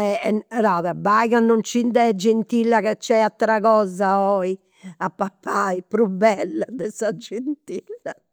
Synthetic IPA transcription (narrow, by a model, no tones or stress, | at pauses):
ɛɛɾaːðɛbaɣanːɔnt͡ʃind̪ɛd͡ʒent̪ilːakɛt͡ʃːɛat̪ːɾaɣɔːzaɔi | apːapʰːaipɾubːɛlːad̪ɛsad͡ʒent̪ilːa